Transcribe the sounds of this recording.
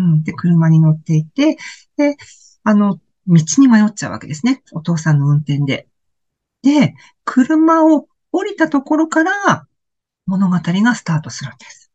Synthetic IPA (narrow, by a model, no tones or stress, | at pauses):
ɯ̟̃ɴd̪e̞kɯ̟ɾɯ̟maɲ̟ino̞t̪ːe̞it̪e̞d̪̥e̞ | ano̞ | mʲit͡ɕiɲ̟imajo̞t̚t͡ɕaɯ̟βa̰ke̞̰d̪e̞sɨne̞o̞t̪o̞ːsãnːo̞ɯ̟̃nt̪ẽ̞nd̪e̞̰ | d̪̥e̞ | kʰɯ̟ɾɯ̟mao̞ | oɾʲit̪at̪o̞ko̞ɾo̞kaɾa | mo̞no̞ɡat̪aɾʲiɡasɨ̥t̪aːt̪o̞sɨɾɯnd̪̥e̞sɨ̥